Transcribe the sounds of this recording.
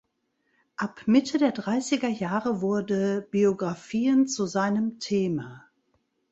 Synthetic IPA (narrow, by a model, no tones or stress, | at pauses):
ʔapmɪtʰədeːɐdʁaɪsɪɡɐjaːʁəvʊɐd̩b̥ioɡʁafiːənt͡suzaɪnəmtʰeːma